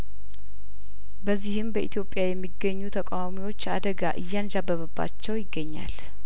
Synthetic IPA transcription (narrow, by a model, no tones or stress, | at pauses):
bəzːihɨmbəʔit̪ʰjo̞pʼːjajɛmːiɡəɲːut̪ʰəkʼawamiwo̞t͡ʃːad̪əɡaʔɨjːand͡ʒabːəβəbːa̰t͡ʃːɛwjɪɡːəɲːa̰l